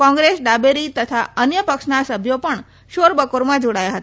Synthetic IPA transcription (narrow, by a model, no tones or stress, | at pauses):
kɔ̃ŋɡɾesɖabeɾit̪ət̪ʰaənjəpəkʃnasəbʱjopəɳ | ʃoɾbəkoɾmãd͡ʒoɽajaɦət̪a